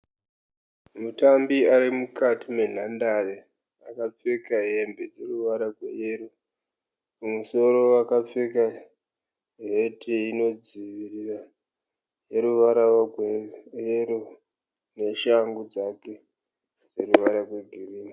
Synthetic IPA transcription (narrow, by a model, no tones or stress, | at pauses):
mutambiaɾimukatime̞n̤andaʋe | akap͡fekaɦe̞mbe̞d͡ze̞ruʋaɾaɡʱwḛjeɾu | umuso̞ɾo̞wakap͡feka | ɦe̞tʰiino̞d͡ziʋirira | je̞ɾuʋaɾawaɡʱwejeɾu | ne̞ʃaŋɡud͡zake̞ | d͡ze̞ruʋaɾaɡwe̞ɡʱiriːni